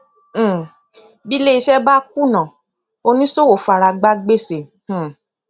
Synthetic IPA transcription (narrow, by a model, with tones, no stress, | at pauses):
bi˦le˦i˧ʃɛ˦ba˦ku˦nã˨ | o˧nĩ˦so˦wo˨fu˨˧a˨ɾa˧ɡ͡ba˦ɡ͡be˦˨sẽ˨˦˨